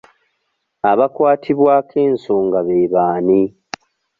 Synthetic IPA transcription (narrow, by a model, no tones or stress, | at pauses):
aβakwaːtʰiβwaːkʰeːnsuːŋɡaβeːβaːni